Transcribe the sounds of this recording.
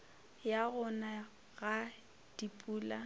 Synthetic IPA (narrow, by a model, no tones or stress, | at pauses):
jaɣʊna | ɣa | d̥ipʼuːla